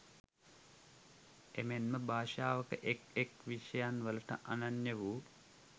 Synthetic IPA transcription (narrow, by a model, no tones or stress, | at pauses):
emenməbʱaːʃaːʋəkəʔekekʋiʃəjanʋələʈə̰ʔananjəʋuː